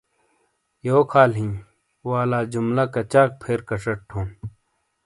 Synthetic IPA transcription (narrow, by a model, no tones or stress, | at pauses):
joːkʰaːlɦĩ | waːlaːd͡ʑumlakɐt͡ɕaːk̚pʰeɾkɐʂɐʈ̚ʈʰõːn